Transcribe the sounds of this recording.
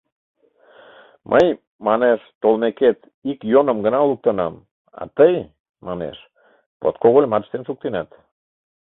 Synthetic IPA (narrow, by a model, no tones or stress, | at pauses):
mʔəj | mɑneʃt̪olmeket̪ | ikjonə̆mɡənɑoluk̚t̪ənɑm | ɑ̰t̪əj | mɑnḛʃ | po̰t̪̚koɣolʲmɑt̪ʃt̪enʃuk̚t̪inɑt̪